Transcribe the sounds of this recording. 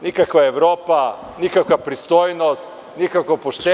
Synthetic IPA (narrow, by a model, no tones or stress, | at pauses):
nikakʋaeʋɾoːpa | nikakʋapɾist̪ojnost̪ | nikakʋopoʃt̪e